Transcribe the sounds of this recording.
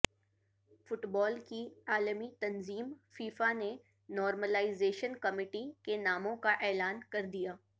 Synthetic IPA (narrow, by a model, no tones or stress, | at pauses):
fʊʈbɔːlkiaːlmit̪ɐnziːmfiːfane | nɔːɾməlaːɪzeːʃənkɐmɪːʈikenaːmõkaʔɛːlaːnkɐɾd̪ijaː